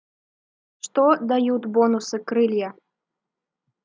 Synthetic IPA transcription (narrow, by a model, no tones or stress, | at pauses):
ʂt̪ɔd̪ajut̪ʲbɔnusɨkɾɨlʲjɐ